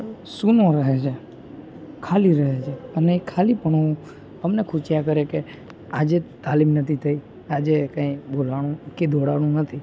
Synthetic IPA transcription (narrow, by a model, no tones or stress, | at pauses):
sunoɾəɦet͡ʃʰe | kʰaliɾəɦet͡ʃʰeənekʰalipəɳəũ | əmnekʰut͡ʃjakəɾeke | ad͡ʒet̪alimnət̪ʰit̪ʰəi | ad͡ʒekãĩbolaɽ̃ũkid̪ʱoɽaɽ̃ũnət̪ʰi